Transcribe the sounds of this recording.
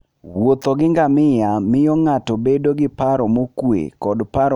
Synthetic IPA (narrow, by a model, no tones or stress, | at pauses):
wot̪ɔɡɪŋɡamɪjamɪjɔŋatɔbedoɡɪpaɾɔmokwḛkɔdpaɾ